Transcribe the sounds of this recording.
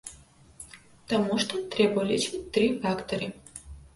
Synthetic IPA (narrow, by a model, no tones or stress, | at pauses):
t̪amuʃt̪ɔt̪ɾɛbalʲit͡ʃit̪ɾifakt̪ɔɾi